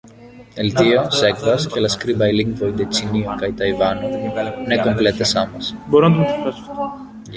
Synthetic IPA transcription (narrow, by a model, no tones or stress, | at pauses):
elt̪iosekvɐskelɐskɾibɐjliŋvojd̪et͡siniokɐjt̪ɐjvɐnonekomplet̪esɐmɐsboɾunɐt̪̬umtofɐsft̪o